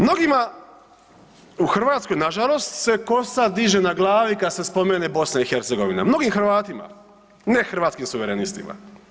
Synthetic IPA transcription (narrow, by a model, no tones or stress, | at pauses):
mno̞ɡima | uxrʋaːt̪sko̞jnaʒalˠo̞st̪se̞ko̞sad̪iʒe̞naɡlˠaːʋikad̪se̞spo̞me̞ne̞bo̞snaixe̞ɾt̪se̞ɡo̞ʋina̰mno̞ɡimxrʋaːt̪ima̰ | ne̞xr̩ʋaːt̪skimsuʋeɾenist̪ḭma̰